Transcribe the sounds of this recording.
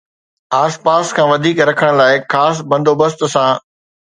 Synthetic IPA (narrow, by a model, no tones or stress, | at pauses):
aːspaːskʰãːʋɐd̪ʱiːkɾɐkʰəɽ̃laːɪxaːs̬bɐ̃nd̪oːbəst̪sãː